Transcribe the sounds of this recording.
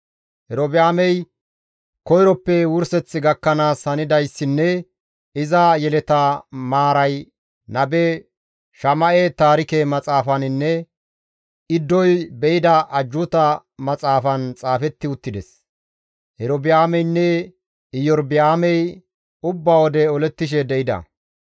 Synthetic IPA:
hɛɾɔbɪjaːmɛj | kɔjɾɔpːɛwʊɾsɛt͡sːɪɡɐkːɐnaːshɐnɪd̪ɐjsːɪnːɛ | ɪzɐjɛlɛt̪ɐmaːɾɐj | nɐbɛ | ʃɐmɐʔet̪aːɾɪkɛmɐt͡sʼaːfɐnɪnːɛ | ɪd̪ːɔjbɛɪd̪ɐʔɐd͡ʒːʊt̪ɐmɐt͡sʼaːfɐnt͡sʼaːfɛt̪ːɪʊt̪ːɪd̪ɛs | hɛɾɔbɪjaːmɛjnːɛ | ɪjɔɾbɪaːmɛj | ʊbːawɔd̪ɛɔlɛt̪ːɪʃ̬ɛd̪ɛʔɪd̪ɐ̰

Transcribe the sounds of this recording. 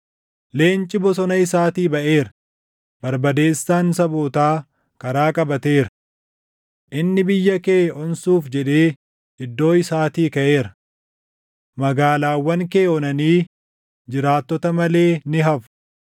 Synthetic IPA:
le̞ːnt͡ʃʼɪbɔs̬ɔnɐɪsaːt̪iːbɐʔe̞ːɾɐ | bɐɾbɐd̪e̞ːsːaːnsɐboːt̪aː | kɐɾaːkʼɐbɐt̪e̞ːɾɐ | ʔɪnːɪbɪjːɐke̞ːɔnsuːfd͡ʒɛᶑe̞ː | ʔɪd̪ːo̞ːɪsaːt̪iːkɐʔe̞ːɾɐ̥ | mɐɡaːlaːwːɐŋkeːɔnɐniː | d͡ʒɪɾaːt̪ːɔt̪ɐmɐle̞ːnɪɦɐf

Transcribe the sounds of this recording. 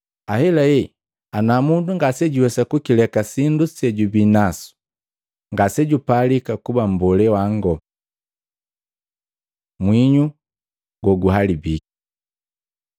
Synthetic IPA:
ahɛlajɛ | anamunduŋɡasɛɟuwɛsakukilɛkasindusɛɟubinasu̥ | ŋɡasɛɟupalikakubam̩bɔlɛwaŋɡɔ | mwiɲu | ɡɔɡuɦalibiki̥

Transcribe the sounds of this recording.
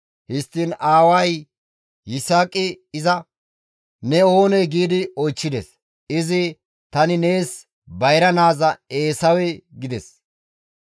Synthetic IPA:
hɪst̪ːinaːwɐj | hɪsaːkʼːɪ | ɪzɐ | nɛo̞ːnɛɡiːd̪ɪɔjt͡ʃːɪd̪ɛ̰s | ɪzɪ | t̪ɐnɪne̞ːs | bɐjɾɐnaːzɐe̞ːsɐwɛɡɪd̪ɛs

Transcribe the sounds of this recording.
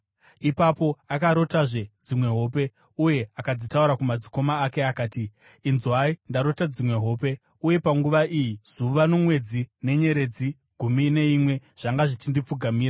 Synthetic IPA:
ipapo̞akaɾo̞taʐe̞d͡zimwe̞ɦo̞ːpe̞ | uje̞akad͡zitauɾakumad͡ziko̞maːke̞akaːtiː | nzwaindaɾo̞tad͡zimwe̞ɦo̞ːpe̞ | uje̞paŋɡuʋaʔijiz̥uʋano̞mwe̞d͡zine̞ɲe̞ɾe̞d͡zi | ɡ̥ʱumine̞imwe̞ʐ̥aŋɡaʐit͡ʃindip͡fuɡʱamiːɾa

